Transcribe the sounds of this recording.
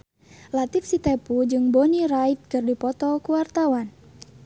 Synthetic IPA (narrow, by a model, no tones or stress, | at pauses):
lat̪ifsit̪ɛpud͡ʒɨŋboniɾait̪̚kɨrdipɔt̪ɔkuwart̪awan